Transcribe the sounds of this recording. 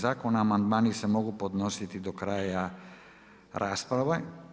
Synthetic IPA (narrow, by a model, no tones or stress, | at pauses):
zakonaːmand̪manisɛmɔɡupod̪nɔsit̪id̪ɔkɾaja | ɾʔaspɾava